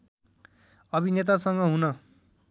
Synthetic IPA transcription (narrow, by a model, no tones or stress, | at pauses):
ʌbinet̪̬asʌŋɡʌɦunʌ